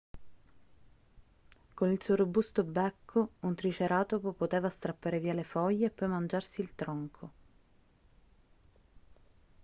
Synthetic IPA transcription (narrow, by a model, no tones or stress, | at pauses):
konilsuoɾobust̪obɛkʰːount̪ɾit͡ʃeɾaːt̪opopot̪eːvast̪ɾapːaːɾeviːalefɔjːeːpːɔjmand͡ʒarsilt̪ɾɔŋkʰo